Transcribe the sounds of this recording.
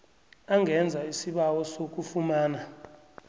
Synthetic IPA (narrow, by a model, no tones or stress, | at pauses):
aŋɛnd͡zʱaisiɓawɔsok̬ʼufumaːna